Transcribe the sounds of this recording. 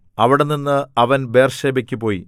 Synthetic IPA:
ɐʋiɽenːinːɨɐʋɐnbe̞ːrʂeːbɐkʲːupːo̞ːji

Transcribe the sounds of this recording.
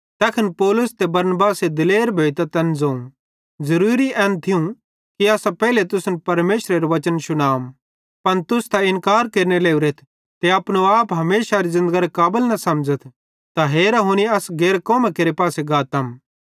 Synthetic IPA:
t̪ɛːkʰɐnpɔːlʊst̪ebɐɾnbaːsed̪ɪleːɾbʱeːit̪at̪ɛ̃nzoːũ | zɐɾuːɾiʔɛ̃ːnt̪ʰiũ | kiaːsãpɛːlet̪ʊsnpɐɾmeːʃɾeɾoʋɐt͡ʃənʃʊnaːm | pɐnt̪ʊst̪aɪ̃nkaːɾkeːɾneleːuɾeːt̪ʰ | t̪eɐpnoaːpɦɐmeːʃaɾizɪ̃nd̪əɡaɾekaːbəlnɐsɐmd͡ʒət̪ʰ | t̪aɦeːɾaɦuñiɐsɡeːɾkoːmãkeːɾepaːseɡaːt̪ɐm

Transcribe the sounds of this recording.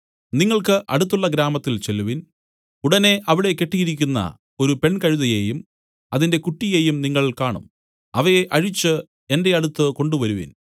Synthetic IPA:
niŋːɐɭkɨʔɐɽut̪ːuɭːɐɡɾaːmɐt̪ːilt͡ɕe̞lːuʋin | uɽɐne̞ʔɐʋiɽe̞kːe̞ʈːijiɾikʲːunːɐ̰ | o̞ɾupe̞ɳkɐɻuðɐjeːjum | ɐðinde̞kuʈːije̞ːjumniŋːɐɭilkaːɳṵm | ɐʋɐjeʔɐɻit͡ɕːɨ | e̞nde̞ɐɽut̪ːɨko̞ɳɖuʋɐɾuʋḭn

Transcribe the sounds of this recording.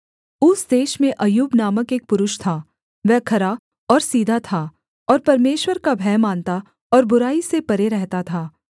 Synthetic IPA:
ʊsd̪eːʃmẽʔɐjuːbnaːməkeːk̚pʊɾʊʃt̪ʰaː | ʋɛːkʰɐɾa | ɔːɾsiːd̪ʱat̪ʰa | ɔːɾpɐɾmeːʃwəɾkabʱɛːmaːnt̪a | ɔːɾbʊɾaːisepɐɾeɾɛɦt̪at̪ʰaː

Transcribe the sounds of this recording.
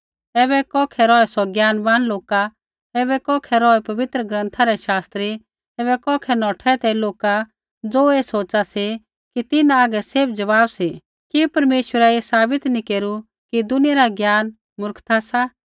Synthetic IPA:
ɛːβɛkɔːkʰɛɾɔːɛsɔɡjaːnbaːnloːka | ɛːβɛkɔːkʰɛɾɔːɛpɐʋɪt̪ɾəɡɾə̃nt̪ʰaɾɛʃaːst̪ɾi | ɛːbɛkɔːkʰɛnɔːʈʰɛt̪ɛloːka | d͡zoːeːsoːt͡ʃasi | kit̪ɪnãaːɡɛseːbʰd͡ʒɐʋaːbsi | kipɐɾmeːʃwəɾaesaːbɪt̪nikeːɾu | kid̪ʊnɪjaɾaɡjaːn | mʊɾkt̪ʰasa

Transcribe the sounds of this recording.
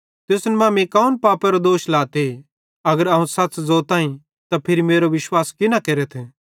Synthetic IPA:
t̪ɪsnmãːmikaːunpaːpɛɾod̪oːʃlaːt̪e | ɐɡəɾɐɦũsɐtːszoːt̪aːĩ | t̪apʰɪɾimeːɾoʋɪʃwaːskɪnakeːɾet̪ʰe

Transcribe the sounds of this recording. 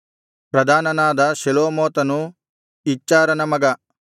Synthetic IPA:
pɾɐd̪ʱaːnɐnaːd̪ɐʃeloːmoːt̪ɐnu | it͡ʃːaːɾɐnɐmɐɡɐ

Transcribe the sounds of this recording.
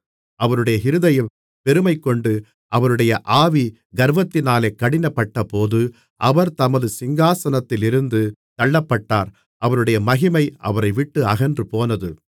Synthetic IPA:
ʔɐʋɐɾɯɽɐjɐɦɪɾɯðɐjɐ | pɛɾɯmɐɪkːɔɳɖɯ | ʔɐʋɐɾɯɽɐjɐʔaːʋi | ɡɐɾʋɐt̪ːɪnaːleːkːɐɽɪnɐpːɐʈːɐpoːðɯ | ʔɐʋɐɾt̪ɐmɐðɯsɪŋɡaːsɐnɐt̪ːɪlɪɾɯnd̪ɯt̪ɐɭːɐpːɐʈːaːɾ | ʔɐʋɐɾɯɽɐjɐmɐɣɪmɐɪʔɐ̰ʋɐɾɐɪʋɪʈːɯɐɣɐndrɯpoːnɐðɯ

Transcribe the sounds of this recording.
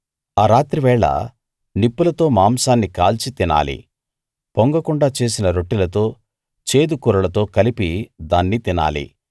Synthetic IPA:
aːɾaːt̪ɾiʋɛːɭɐ̰ | nipːulɐt̪o̞ːmaːmsaːnːikaːlt͡ʃit̪ina̰ːlḭ | poŋɡɐkuɳɖaːt͡ʃe̞ːs̬inɐɾo̞ʈːilɐt̪o̞ː | t͡ʃe̞ːd̪ukuɾɐlɐt̪o̞ːkɐlipid̪aːnːit̪ina̰ːlḭ

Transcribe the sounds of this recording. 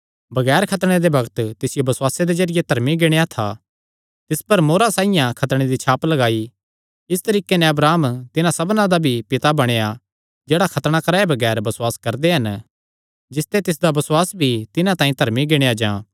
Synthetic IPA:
bɐɡɛːɾkʰɐt̪ɽ̃ed̪ebɐɡət̪t̪ɪsɪjobɐsʊwaːsed̪ed͡ʒɐɾɪjet̪ɐɾmiɡɪɽ̃ejat̪ʰa | t̪ɪspɐɾmoːɾasaːijãkʰɐt̪ɽ̃ed̪it͡ʃʰaːplɐɡaːi | ɪst̪ɐɾiːkenɛ̃ɐbɾaːmt̪ɪnãsɐbnãd̪abʱipɪt̪abɐɽ̃eja | d͡ʒeːɽakʰɐt̪ɽ̃akɐɾaːebɐɡɛːɾbɐsʊwaːskɐɾd̪eɦɐn | d͡ʒɪst̪et̪ɪs̬d̪abɐswaːsbʱit̪ɪnãt̪ãːĩt̪ɐɾmiɡɪɽ̃ejad͡ʒãː

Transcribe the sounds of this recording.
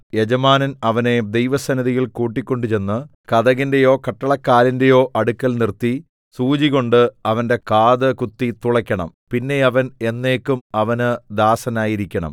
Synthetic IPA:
je̞d͡ʑɐmaːnɐnɐʋɐne̞d̪ejʋɐsɐnɐðijilkuːʈːikʲːo̞ɳɖut͡ɕe̞nːɨ | kɐðɐɣinde̞jo̞ːkɐʈːɐɭɐkːaːlinde̞jo̞ːʔɐɽukːɐlnirt̪ːi | suːd͡ʑiɣo̞ɳɖɨɐʋɐnde̞kaːðɨkut̪ːit̪uɭɐkʲːɐɳɐ̰mpinːe̞ɐʋɐne̞nːe̞ːkːumɐʋɐnɨd̪aːsɐnaːjiɾikʲːɐɳɐ̰m

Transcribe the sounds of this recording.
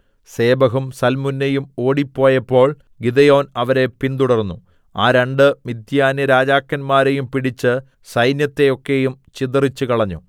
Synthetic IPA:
se̞ːbɐɦumsɐlmunːejumo̞ːɽipːo̞ːjɐpːo̞ːɭ | ɡid̪ɐjo̞ːnɐʋɐɾe̞pint̪uɽɐrnːu | aːɾeɳɖɨmid̪jaːnjɐɾaːd͡ʑaːkːɐnmaːɾe̞jumpiɽit͡ɕːɨ | sɐjnjɐt̪ːe̞jo̞kːe̞jumt͡ɕiðɐrit͡ɕːukɐɭɐɲːṵ

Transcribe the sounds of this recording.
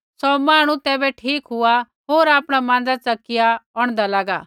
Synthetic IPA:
sɔmaːɽ̃ũt̪ɛːbɛʈʰiːkɦʊa | ɦoːɾaːpɽ̃amãːn̆d͡zat͡sɐkɪjaɔːɽ̃d̪alaːɡaː

